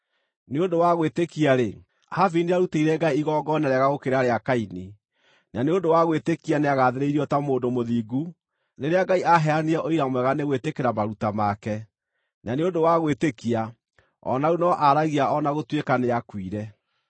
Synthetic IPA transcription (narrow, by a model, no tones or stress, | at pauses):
neondowaɣwetekiaɾe | haviniaɾuteiɾɛɡaiiɣɔːɡɔnɛɾɛɣaɣokeɾaɾeakaini | naneondowaɣwetekianeaɣaðeɾeiɾiɔtamoːndomoðiːɡu | neɾeaɡaiʔaɦɛaniɛʔoiɾamwɛɣaneɣwetekeɾamaɾutamakɛ | naneondowaɣwetekia | ɔ̰naunɔʔaɾaɣiaɔnaɣotwekaneakwiɾɛ